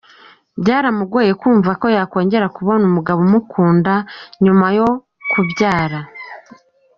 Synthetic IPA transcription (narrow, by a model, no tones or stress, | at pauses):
bɟaːɾamuɡweːje̞kwuːɱvako̞jako̞ːɲɟe̞ɾakuβo̞numuɡaβomukʰuːndaɲumajo̞ | kubɟaːɾa